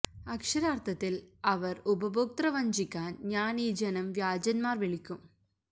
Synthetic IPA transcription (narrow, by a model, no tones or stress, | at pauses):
ɐkʂɐɾaːrt̪ʰɐt̪ːilɐʋɐrubɐbuk̚t̪rɐʋɐɲd͡ʑikʲːaːnɲaːniːd͡ʑɐnɐmʋjaːd͡ʑɐnmaːrʋiɭikʲːum